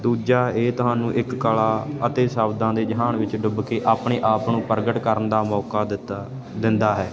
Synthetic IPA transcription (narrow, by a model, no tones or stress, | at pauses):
d̪uːd͡ʒaːeːt̪ʊɦaːnũːʔɪkːəːlaːət̪eːsaːbd̪ãːd̪eːd͡ʒəɦaːnʋɪt͡ʃɖʊbkeːʔaːpɳeːʔaːpnũːpəɾɡəʈkəɾənd̪aːmɔːkaːd̪ | d̪ɪnd̪aːɦɛː